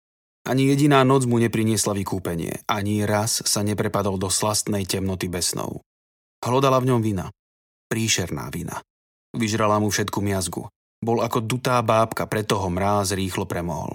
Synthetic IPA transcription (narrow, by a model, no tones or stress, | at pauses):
ʔaɲijɛɟinaːnɔd͡zmuɲɛpɾiɲɪɛslaʋikuːpɛɲɪɛ̰ʔaɲiɾasːaɲɛpɾɛpad̪ɔld̪ɔslast̪nɛjcɛmnɔt̪ibɛsnɔ̰ʊ | ɦlɔd̪alavɲɔmʋina̰ | pɾiːʃɛɾna̰ːʋina̰ | ʋiʒɾalamufʃɛt̪kumɪazɡṵ | bɔlakɔd̪ut̪aːbaːpkapɾɛt̪ːɔɦɔmɾaːzɾiːxlɔpɾɛmɔɦɔ̰l